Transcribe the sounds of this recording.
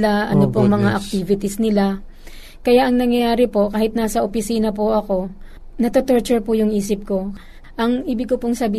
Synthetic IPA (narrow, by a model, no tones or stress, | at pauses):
laʔɐnopoŋmɐŋaʔɐk̚t̪iːvɪt̪ɪsnɪla | kɐjaʔɐŋnɐŋjɐjaːɾɪpo̞kaːhɪt̪naːsɐʔopɪsiːnɐp̬ʊʔɐko̞ | nɐt̪ot̪oɹt͡ʃʊɹpʊjʊŋʔiːsɪp̚ko̞ | ʔɐŋʔiːbɪkopoŋsɐbiː